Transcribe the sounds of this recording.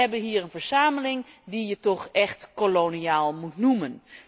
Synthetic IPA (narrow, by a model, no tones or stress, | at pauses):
ɛbənɦiːəɹənvəɹsaːməlɪŋdijətɔxɛxtkoloniaːlˠmutnumən